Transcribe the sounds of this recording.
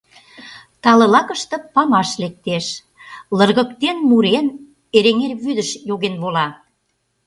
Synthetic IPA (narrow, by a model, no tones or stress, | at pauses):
t̪ɑlɤ̆lɑkə̆ʃt̪ɤ̆pɑmɑʃlek̚t̪eʃ | lə̆rɣə̆k̚t̪enmuɾen | eɾeŋerβyd̪əʃjoɣenβolɑ